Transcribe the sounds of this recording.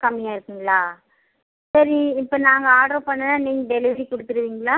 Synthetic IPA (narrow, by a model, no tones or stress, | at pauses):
kɐmːɪjaːɪɾɯkːɯŋɡɐɭaː | sɐɾiɪpːoːnaːŋɡɐaːɖɾopɐɳːɐnaːniːŋɡɐɖɛlɪʋɐɾikɔɽɯt̪ːɯɾɯʋiːŋɡɐɭaː